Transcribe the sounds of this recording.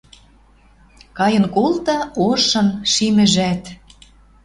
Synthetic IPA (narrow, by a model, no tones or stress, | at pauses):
kɑjɤ̆nkolt̪ɤ̆oʃɤ̆nʃimɘ̆ʒæt̪